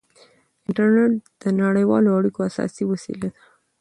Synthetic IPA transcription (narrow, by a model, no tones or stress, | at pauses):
ɪɳʈaɾneʈ̚d̪̥ənaɽəjwɑ̰loaɽikoasɑ̰siwasḭlad̪ḁ